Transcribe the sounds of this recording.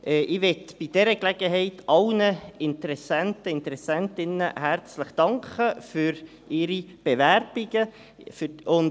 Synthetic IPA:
ʔɛʔɪʋɛtb̥id̥ɛɾəklɛɡ̥əɦɛɪtʰʔɑlnəɪntəɾɛsæntəɪntəɾɛsɛntɪnːə̰hæɾt͡sləχd̥ɑŋkχəfyɾ | ɪɾib̥eʋæɾb̥iɡə | fyʊn

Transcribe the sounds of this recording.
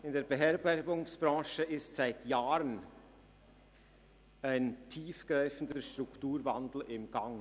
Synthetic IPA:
ɪndeːɾbəɦɛɐbɛɾɡʊŋsb̥ɾɑ̃ːʃəɪstsaɪtjaːɾən | aɪntʰiːfɡ̥ɾaʏfən̩dəʃtɾʊktuːɾvandl̩ɪmɡ̥aŋ

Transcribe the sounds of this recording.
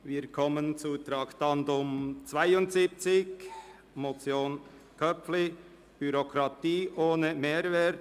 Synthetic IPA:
viːɾkʰɔmənt͡suːt̪ɾɑkt̪ɑnd̪ʊmt͡svaɪʊntsip̚t͡sɪk | mot͡sjoːn | kʰœpflɪ | b̥yɾokʰɾɑt̪iːʔoːnəmeːɾvɛːt

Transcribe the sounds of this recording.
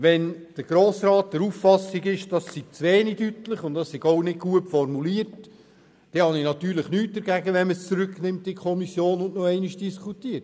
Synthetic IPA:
ʋɛnd̥əɾɡ̥ɾoːsɾɑːtdəɾuːffɑsiɡɪʃd̥ɑsːiɡ̥̚t͡sʋeːnidytləχʊntd̥ɑssiɡ̥oʊnɪɡ̚ɡ̥uətfɔrmuliəɾt | d̥ɛhɑninɑt̪yːɾləχnyːt̚dəɾɡæɡəʋɛnməst͡suɾʏknɪmtɪkʰɔmisjoːnʊnnoɛɪniʃd̥iskʰutiət

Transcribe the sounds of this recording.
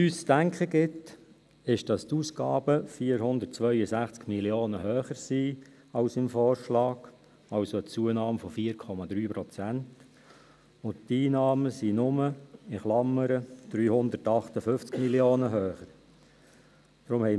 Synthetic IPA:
yːst͡sd̥æŋkχəɡɪt | ɪʃd̥ɑst̪uːskɑ̰ːb̥əfiːəɾhʊnd̪ərtt͡sʋœʏəsæχt͡skmiljoːnəɦøːχəɾsi | ɑʊsɪmfɔːɾʃlɑːɡ̥ | ɑwsoət͡suənɑːmfɔfiːəɾkʰɔmɑd̪ɾyːpɾɔt͡sænt | ʊnttiːnɑːməsinʊməɪχlɑmːəɾəd̥ɾyːhʊnd̪ətɑχt̪əfʏft͡skmiljoːnəɦøːχəɾ | d̥̪ɾʊmhɛɪ

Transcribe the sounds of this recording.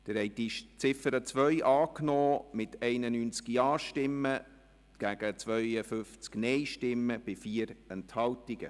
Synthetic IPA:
d̥̪əɾhɛɪd̥iʃt͡sɪfəɾət͡sʋœʏʔɑːknɔːmɪtʰɛɪnənyːnt͡skiɑːʃtɪmːə | ɡ̥æɡ̥ət͡sʋœjəfʏnft͡sknɛjʃtɪmːəb̥ɪfiːəɾɛnthɑltiɡə̰

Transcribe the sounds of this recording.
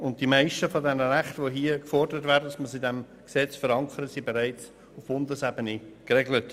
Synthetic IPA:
ʊnt̚d̥imaɪʃtəfodɛnəɾæχtʋoɦiəkfɔrdəɾətvæːɾdədɑsməsidɛm | ksɛt͡sfəɾɑŋkʰəɾətsibeɾaɪt͡s | ʊfb̥ʊndəsɛbənikʁɛɡlət

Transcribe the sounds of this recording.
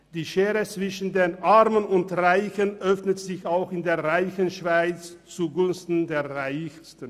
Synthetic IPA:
d̥iːʃeːʁət͡sv̥ɪʃn̩deːnʔaʁmənʊntʁaɪçənʔœfnətz̥ɪçaʊxɪndeːɐʁaɪçənʃv̥aɪt͡st͡suɡʊnstn̩deːɐʁaɪçstən

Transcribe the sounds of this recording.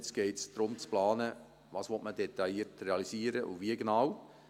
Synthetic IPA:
t͡sɡ̥ɛɪtsd̥ɾʊmt͡splɑːnə | ʋɑːsʋɔtmədet̪ɑiːətɾeɑlisiːəɾəʔṵʋiəɡenɑw

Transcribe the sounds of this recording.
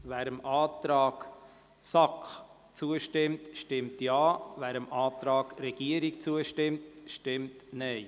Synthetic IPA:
væːɾəmʔɑːt̪ɾɑːɡ | sɑkχ | t͡suəʃtɪmtʃtɪmtjɑːvæːɾəmɑːt̪ɾɑːɡɾɛɡ̥iəɾikt͡suəʃtɪmtʃtɪmtnɛɪ

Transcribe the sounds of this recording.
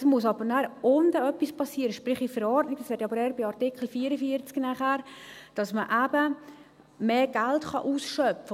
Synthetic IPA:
smuəsɑbəɾnæɾondəœpːispɑsːiəɾəʃpɾɪχifəɾɔɾtnɪɡdɑshɛtɑbəɾɛɾbɪɑɾtɪkχl̩fiːəɾəfiəɾt͡sknæχhæːɾ | d̥ɑsməʔæbə | meːɡ̥æltχɑ̰ʔuːsʃœpfə

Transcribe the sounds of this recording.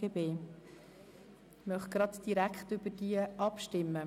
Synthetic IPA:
ebeː | mœχɡ̥ɾɑdd̥iɾækχtʏbəd̥iəʔɑpʃtɪmːə

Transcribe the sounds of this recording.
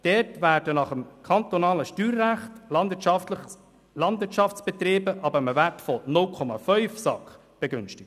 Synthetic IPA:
d̥ɛɾtvæːɾd̥ənɑχəmkʰɑnt̪onɑːləʃtyːɾːæχt | lɑndvɪɾtʃɑft͡sb̥ɛt̪ɾeːbəʔɑbəməværtfɔnʊlkʰɔmɑfœʏfsɑkχ | b̥eɡʏnʃtɪk̚t

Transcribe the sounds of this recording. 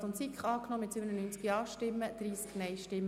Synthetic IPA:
onsikχɑːknɔːmɪt̪sybənənyːnt͡skiɑːʃtɪmːəd̥̪ɾiːsknɛjʃtɪmːə

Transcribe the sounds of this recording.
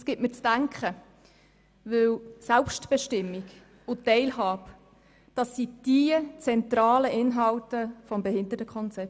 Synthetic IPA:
sɡ̥ɪtməɾt͡sd̥æŋkχə | ʋɪwsɛlpʃtb̥əʃtɪmːik | ʊtːɛɪlɦɑːp | d̥ɑsːid̥iət͡sɛntrɑːləʔɪnɦɑltəfɔmbɛɦɪndəɾtəkʰχɔnt͡sɛp̚

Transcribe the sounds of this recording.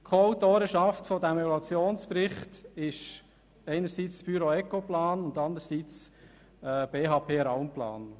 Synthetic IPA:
kʰoaʊtoːɾəʃɑftfɔdæmɛɡlɑt͡sjoːnsprɪχtɪʃ | ɛɪnəɾsiːt͡sb̥yɾoɛkoplɑːnʊndɑnd̪əɾsiːt͡s | ɛb̥eːɦɑːpʰeːɾaʊmplɑ̰ːn

